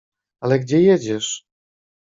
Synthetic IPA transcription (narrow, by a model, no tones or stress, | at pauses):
alɛɡd͡ʑɛjɛd͡ʑɛʂ